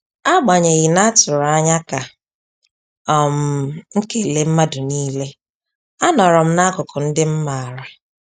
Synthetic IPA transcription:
a˦ɡ͡ba˨ɲe˨ɣi˨na˦tʊ˨ɾa˦ɲa˦ka˨ | ɔ˨m̩˨ŋ̩˦ke˨le˨m̩˦ma˦dʊ˨niː˦le˦ | a˦nɔ˨ɾɔ˨m̩˦na˦kʊ˨kʊ˨n̩˦dɪ˦m̩˦ma˨ɾa˨

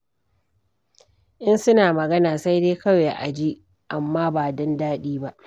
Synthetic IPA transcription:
ʔɪ˦nsʊ˦naː˨mɐ˨ɡɐ˦naː˨sa˦jdeː˦kɐ˦weː˨ʔa˨d͡ʒi˦ | ʔa˨mːaː˦baː˨dɔ˦ndaː˦ɗiː˦ba˦ʔ

